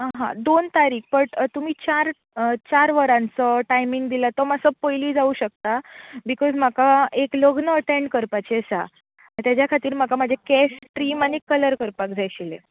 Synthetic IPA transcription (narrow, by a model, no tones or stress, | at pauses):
ɦã̰d̪ont̪aɾiːk̚ʰpəɳt̪um̤iːt͡ɕaɾ | t͡ɕaɾʋəɾãnt͡səʈajmiŋɡd̪ilət̪ɔməsəpojliːd͡zauɕək̚t̪abikɔzm̤akaekloɡnəːʈeɳɖkəɾpat͡ɕesa̰ | t̪jat͡ɕjakʰat̪iːɾm̤akamad͡ʑʱekɛsʈɾiːmañikələɾkəɾpakd͡zʱajɕilḛ